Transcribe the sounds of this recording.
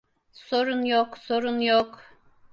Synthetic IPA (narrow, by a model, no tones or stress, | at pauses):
soɾunjoksoɾunjoq